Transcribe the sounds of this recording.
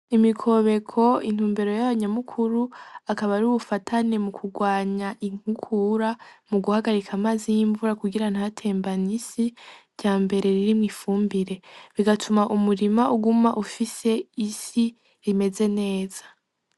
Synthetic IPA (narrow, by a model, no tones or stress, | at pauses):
imikʰo̞βe̞kʰo̞in̥huːmbeɾo̞jaβaɲamukʰuɾuakaβaɾuβufatʰane̞mukʰuɡwaːɲaʔiŋ̥hukʰuɾamuɡuhaɡaɾikʰamaːzijiːɱvuɾakuɡiɾan̥hatʰe̞ːmbanisiɾɟaːmbe̞ɾe̞ɾiɾimŋiːfuːmbiɾe̞βiɡatʰumaʔumuɾimaʔuɡumaʔufise̞isi | ime̞ze̞ne̞ːz̥ḁ